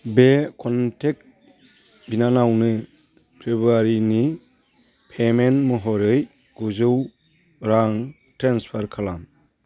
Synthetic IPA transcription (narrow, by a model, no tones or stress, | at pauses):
bekʰɔntʰek̚ | binanawnɯ | pʰebuaɾini | pʰemenmɯɦɔɾɯj | ɡuzɯw | ɾaŋ | tɾanspʰaɾkʰalam